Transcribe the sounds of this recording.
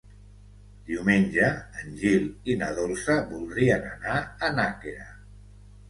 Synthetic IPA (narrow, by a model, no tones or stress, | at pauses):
d̪̥iwmenʲʒəːnʲʒilinəð̞olˠsəβulˠd̪ɾiənənaənakeɾa